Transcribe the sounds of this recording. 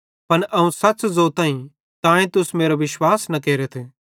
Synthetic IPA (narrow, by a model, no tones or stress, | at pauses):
pɐnʔɐũsɐszot̪ãːĩ | t̪ãːẽt̪ʊsmeːɾoʋɪʃwaːsnɐkeːɾet̪ʰeː